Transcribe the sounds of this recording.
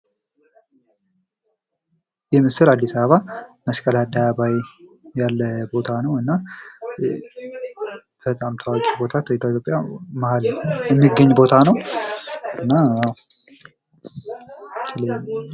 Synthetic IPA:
jɛmɨsɨlad̪ːisəβəβaməskʼəlad̪aβajjalːəbo̞t̪ʰanəwɨnːa | b̥ət̪ʼamt̪ʰəwakʼibo̞t̪ʰat̪t̪ʰoit̪jo̞pʼjamahaljɛmːiɡəɲːbo̞t̪ʰanəw | ɨnːa | t̪ʰələ

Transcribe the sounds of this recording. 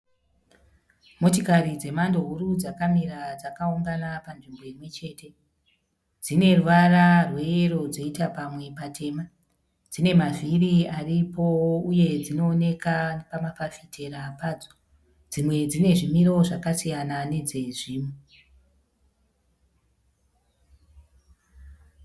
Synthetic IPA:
mo̞t̬ikarid͡ze̞mando̞ɦuɾud͡zakamiɾad͡zakauŋɡanapanʐimbo̞imwe̞t͡ʃe̞ːte̞ | d͡zine̞ruʋararwe̞ero̞d͡zo̞itapamwe̞patʰe̞ːma | d͡zine̞maviriaripo̞uje̞d͡zino̞ːne̞kapamafafitʰe̞ɾapaːd͡zo̥ | d͡zimwe̞d͡zine̞ʐimiɾo̞ʐakasijanane̞d͡zeʐiːmu

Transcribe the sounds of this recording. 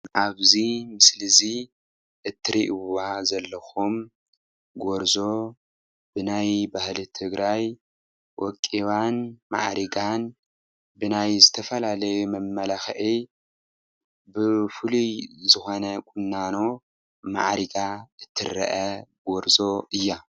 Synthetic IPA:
ʔaβzimɨslɨzi | ʔɨt̪ʰːɨɾḭʔwazɐlːɐxum | ɡoɾzo̞ | bɨnajbahlit̪ʰɨɡɾʔaj | wʔɔkʼːiβanma̰ʕɾiɡan | bɨnajzɨt̪ʰɐfɐlalɐjumɐmːɐlaxʕi | bɨfɨluzɨxo̞nɐkʼʊnːano̞ | ma̰ʕɾiɡaʔɨt̪ʰːɨ̰ɾɐ̰ʔɐɡoɾzo̞ʔɨjːa

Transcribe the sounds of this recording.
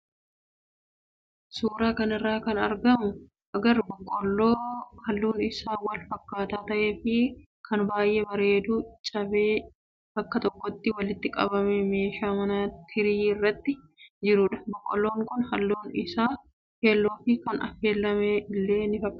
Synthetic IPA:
suːɾaːkɐnɪrːaːkɐnɐɾɡɐmʊ | ʔɐɡɐɾbɔkʼːɔlːoːhɐlːuːnɪsaːwɐlfɐkːaːt̪aːt̪ɐʔe̞ːfɪ | kʰɐnbaːjʔe̞ːbɐɾe̞ːd̪uːt͡ʃʼɐbeː | b̥ɐkːɐt̪ɔkːɔt̪ːɪwɐlɪt̪ːɪkʼɐ̰bɐmeme̞ːʃaːmɐnɐt̪ʰɪɾiːɪrːɐt̪ːɪ | d͡ʒɪɾʊᶑɐ̥bɔkʼːɔlːo̞ːŋkʊnhɐlːuːnɪsaː | he̞ːlːo̞ːfɪkɐnɐ̰fe̞ːlːɐmeːɪlːe̞ːnɪfɐkʼː

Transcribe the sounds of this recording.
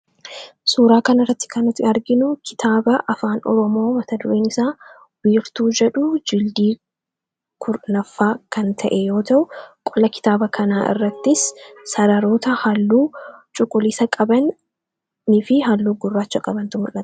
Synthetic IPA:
suːɾaːkɐnɪrːɐt̪ːɪ̥kɐnɪt̪ːɪɐɾɡɪnʊkʰɪ̥t̪ʰaːbɐʔɐfaːnɔ̰ɾɔmo̞ːmɐt̪ɐd̪ʊɾeːnɪsaː | wiːɾt̪uːd͡ʒɛᶑʊd͡ʒɪld̪iː | kʰʊɾnɐfːaːkɐnt̪ʰɐʔɛjo̞ːt̪ɐʔʊkʼɔlɐkɪ̥t̪aːbɐkʰɐnaːʔɪ̰rːɐt̪ːɪsːɐɾɐɾo̞ːt̪ɐhɐlːuːt͡ʃʼʊkʼːʊliːsɐkʼɐbɐnː | ɪfɪɦɐlːuːɡʊrːaːt͡ʃːɐkʼɐbɐnt̪ʊmʊlːɐt̪

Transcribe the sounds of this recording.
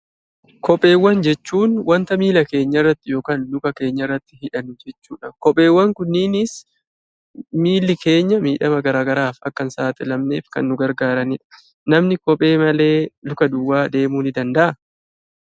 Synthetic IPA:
kɔpʼːe̞ːwːɐnd͡ʒɛt͡ʃːuːnwɐnt̪ɐmiːlɐke̞ːɲːɐrːɐt̪ːɪjo̞ːkaːnlʊkɐke̞ːɲːɐrːɐt̪ːɪ̥hɪᶑɐnʊd͡ʒɛt͡ʃːuːᶑɐkɔpʼːe̞ːwːɐŋkʊnːɪnɪs | miːlːɪkʰe̞ːɲːɐmiːᶑɐmɐɡɐɾaːɡɐɾaːfɐ̰kːɐnsaːt̪ɪlɐmneːfkɐ̰nːʊɡɐɾɡaːɾɐnɪᶑɐ̥ | nɐmnɪkɔpʼe̞ːmɐle̞ːlʊkɐd̪ʊwːaːd̪e̞ːmuːnɪd̪ɐnd̪ɐʔɐ

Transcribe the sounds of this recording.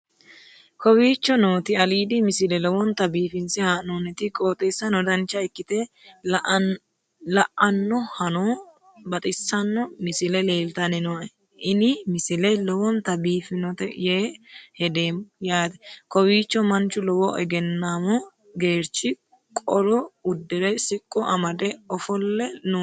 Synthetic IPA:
kɔwiːt͡ʃːɔnoːt̪ɪɐliːd̪ɪmɪsɪlɛlɔwɔnt̪ɐbiːfɪnsɪhanoːnɛt̪ɪkʼoːt̪ʼɛsːɐnɔd̪ɐnt͡ʃːɐɪkːɪt̪ɛ | lɐʔɐnːɔhɐnoː | bɐt̪ʼɪsːɐnːɔmɪsɪlɛle̞ːlt̪ɐnɪnɔɛ | ʔɪnɪmɪsɪlɛlɔwɔnt̪ɐbiːfɪnɔt̪ɛjeːhɛd̪eːmːɔjaːd̪ɛkɔwiːt͡ʃːɔmɐnt͡ʃːʊlɔwɔʔɛ̰ɡɛnːaːmɔ | ɡeːɾt͡ʃːɪ | kʼɔɾɔʊd̪ːɛɾɛsɪkʼːɔʔɐmɐd̪ɛɔfɔlːɛnʊ

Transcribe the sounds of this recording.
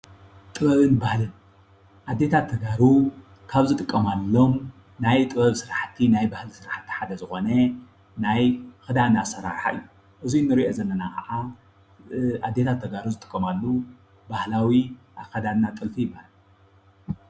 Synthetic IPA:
t̪ʼɨβɐβɨnbahlɨn | ʔad̪ːe̞t̪ʰat̪ʰːɐɡaɾu | kʰaβzɨt̪ʼɨkʼːɐmalːo̞m | najt̪ʼɨβɐβsɨɾaħt̪ʰːinajbahlisɨɾaħt̪ʰːi̥ħad̪ɐzɨxo̞nɐ | najxɨd̪anasɐɾa̰ɾħa̰ɨ̰jːu | ʔɨzijnːɨɾiʔozɐlːɐnakʰɐ̰ʕa | ʔad̪ːe̞t̪ʰat̪ʰːɐɡaɾuzɨt̪ʼɨ̥kʼːɐmalːu | bahlawiʔaxɐd̪anːat̪ʼɨlfijɪbahlɨ

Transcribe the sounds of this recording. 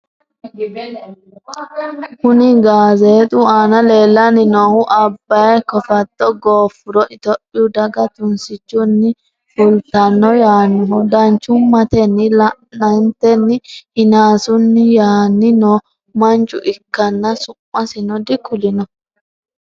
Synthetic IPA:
kʊnɪɡaːzeːt̪ʼʊaːnɐle̞ːlːɐnɪnɔhʊʔɐbːɐjɛkɔfɐt̪ːɔɡoːfʊɾɔʔɪt̪ɔpʼːɪjʊd̪ɐɡɐt̪ʊnsɪt͡ʃːʊnːɪ | fʊlt̪ɐnːɔjaːnːɔɦɔd̪ɐnt͡ʃːʊmɐt̪ɛnːɪlɐʔnɐnt̪ɛnːɪɪnaːsʊnːɪjaːnːɪnɔ | mɐnt͡ʃʼʊ̰ʔɪkːɐnːɐsʊmːɐsɪnɔd̪ɪkʊlɪnɔ

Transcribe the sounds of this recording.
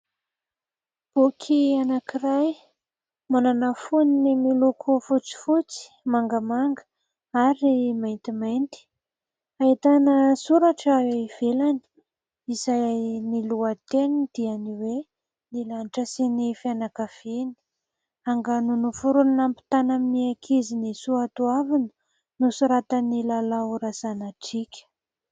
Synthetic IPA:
b̥okʰianakiraj | mananafuninimilukʰufut͡si̥fut͡si̥maŋɡəmaŋɡə̥ | aɾimajnt̪imajnt̪i̥ | ait̪anəsuɾaʈ͡ʂəweiv̥elani̥ | izajniluat̪enid̪̥ianiwe | nilanʈ͡ʂəsinifianakav̥ini̥ | aŋɡanunufuɾunnampi̥t̪anaminiakʰizinisuat̪uavinə̥ | nusuɾat̪ənilalauɾazanaʈ͡ʂikʲə̥

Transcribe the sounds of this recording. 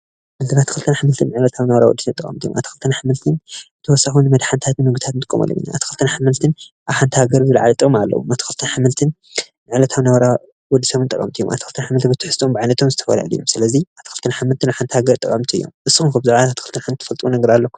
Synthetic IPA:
mɨzɐlat̪ʰːixɨlt̪ʰɨnaħamɨlt̪ʰɨnmɨʕlɐt̪ʰaβnɐwɐɾawɔ̰d̪ːisɐt̪ʼɨkʼɐ̰mt̪ʰijomʔa̰t̪i̥xɨlt̪ʰɨnaħamɨlt̪ʰɨn | t̪ʰɐwɔsːaxunɨmɐd̪ħant̪ʰat̪ɨnɨɡut̪ʰat̪nt̪ɨkʼːomɐ̰lːo̰mḭnːa̰ʔa̰t̪ʰixɨlt̪ʰɨnaħamɨlt̪ʰɨn | ʔaβħant̪ʰihaɡɐɾzɨlʕa̰lit̪ʼɨkʼma̰lːɐ̰wṵmʔat̪ʰi̥xɨlt̪ʰɨnaħamɨlt̪ʰɨn | nɨʕlɐt̪ʰaβnɐwɐɾa | wɔd̪ːisɐβɨnt̪ʼɐ̰kʼɐ̰mt̪ʰijo̰ʔa̰t̪ʰixɨlt̪ʰɨnaħamɨlt̪bɨt̪ʰi̥ħɨst̪ʼombʕajnɐt̪ʰomzɨt̪ʰɐ̥fɐ̰la̰ljːomsɨlɐziat̪ʰixɨlt̪ʰɨnaħamɨlt̪ʰɨnaβħant̪ʰhaɡɐɾt̪ʼɨkʼɐmt̪ʰiɨjo̰mʔɨsːɨxunkʰɐbzaʕaat̪i̥xɨlt̪ʰɨnaħɨmt̪ʰːɨ̥fɐlt̪ʼwunɐɡɐɾalːɐkːu̥

